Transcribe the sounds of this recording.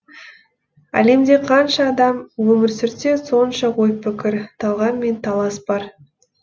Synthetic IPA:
æ̰le̞md̪e̞qʰɑnʃɑːd̪ɑmwɵmɪɾsɪɾt̪e̞so̞nʃɑʁojpʰːɪkʲɪɾt̪ʰɑlˠʁɑnme̞nt̪ʰɑlˠɑsbɑɾ

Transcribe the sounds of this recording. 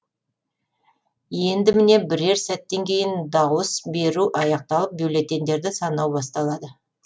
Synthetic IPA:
je̞nd̪ɪmɪne̞bɪɾe̞ɾsæt̪ːe̞ŋkʲʰe̞jɪnd̪ɑwəsbe̞ɾuʔɑjɑq̚t̪ɑlˠəp̚biwle̞t̪e̞nd̪e̞ɾd̪ɪsɑnɑwbɑst̪ɑlˠɑd̪ə

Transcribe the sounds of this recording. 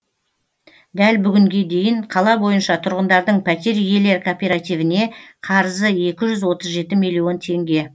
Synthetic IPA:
d̪ælbʏɡʲɪŋɡʲe̞d̪e̞jɪɴqʰɑlˠɑbo̞jənʃɑt̪ʰʊɾʁənd̪ɑɾd̪əɴpʰæt̪e̞ɾʏje̞le̞ɾkʰopʲe̞ɾat̪ivɪne̞qʰɑɾzəe̞kʲɪʒʏzwo̞t̪əzʒe̞t̪ɪmilʲːijo̞nt̪ʰe̞ŋɡʲe̞

